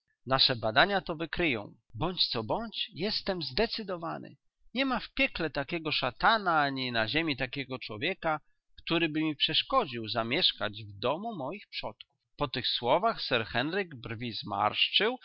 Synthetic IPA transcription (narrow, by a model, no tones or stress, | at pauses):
naʂɛbad̪aɲat̪ɔvɘkɾɘjɔ̰̃w̃bɔɲt͡ɕt̪sɔbɔɲt͡ɕjɛst̪ɛmzd̪ɛt̪sɘd̪ɔvanʔɘ̰ | ɲɛmafpʲjɛklɛt̪akʲɛɡɔʂat̪anaaɲinaʑɛmʲit̪akʲɛɡɔt͡ʂwɔvʲjɛka | kt̪uɾɘbɘmʲipʂɛʂkɔd͡ʑiwzamʲjɛʂka̰d͡ʑvd̪ɔmumɔjixpʂɔt̪ku̥fpɔt̪ɘxswɔvaxsɛɾxɛnɾɘɡbrvʲizma̰ɾʂt͡ʂɘw